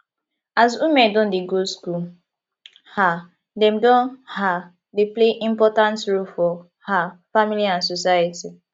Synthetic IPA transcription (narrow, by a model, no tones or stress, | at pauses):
azumɛ̃dɔ̃ndeɡoskul | ha | dɛ̃mdɔ̃nha | depleʔĩmpɔtãntɹolfɔ | hafamiliãnsɔsajati